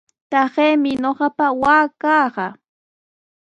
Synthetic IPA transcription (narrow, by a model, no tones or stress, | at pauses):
t̪ɑɢeːmɪɲoɢɑpawaːkɑɢɑ